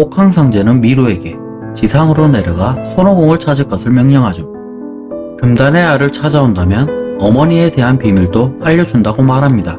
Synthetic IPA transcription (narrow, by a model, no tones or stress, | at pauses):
okʰaŋsʰaŋd͡ʑe̞nɯnmiɾoe̞ɡe̞ | t͡ɕisʰaŋɯɾone̞ɾjɯɡasʰonoɡoŋɯɭt͡ɕʰad͡ʑɯɭk͈ʌsʰɯɭmjʌŋɲʌŋɦad͡ʑo | kɯmdane̞aɾɯɭt͡ɕʰad͡ʑaondamjʌnʌmʌɲie̞de̞ɦanpimiɭdoaʎːʌd͡ʑundaɡomaɾɦamɲida